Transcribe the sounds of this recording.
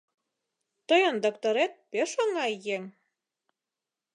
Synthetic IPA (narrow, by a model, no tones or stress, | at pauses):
t̪ojɤnd̪okt̪oɾet̪̚peʃoŋɑjeŋ